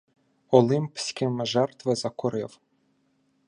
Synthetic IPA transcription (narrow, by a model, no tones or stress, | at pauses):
ɔlˠɪmpsʲkʲɪmeʒɛrt̪ʋezɐkɔɾɪw